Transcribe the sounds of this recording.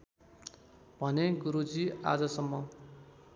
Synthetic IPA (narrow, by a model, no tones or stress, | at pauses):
bʱʌneɡuɾud͡zia̰d͡zʌsʌmːʌ